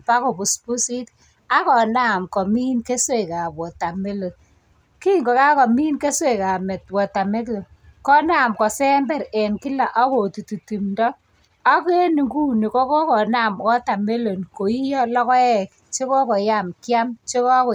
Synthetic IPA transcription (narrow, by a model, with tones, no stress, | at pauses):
pa˦kɔ˨pu˨spu˦si˦t | a˦kɔ˨na˦˨mkɔ˨mi˦nke˦swe˨ka˨pwɔ˨ta˨me˦lo˨n | ki˦ŋɡɔ˨ka˦kɔ˨mi˦nke˦swe˨ka˨mɛ˨t̚wɔ˨ta˨me˦tlo˨n | kɔ˦na˨mkɔ˨sɛ˦mbɛ˦ɾɛ˨nki˦la˨ʔa˦ko˨tu˨tu˨ti˨mdɔ˦ | a˦ke˦nu˨ɡu˦ni˨kɔ˦kɔ˦kɔ˨na˦˨mkɔ˦ta˨me˦lo˨nko˨i˦jɔ˦lɔ˦kɔ˦ɛ˦k | t͡ʃe˦kɔ˦kɔ˨ja˦˨mkja˦mt͡ʃe˦kɔ˦kɔ˨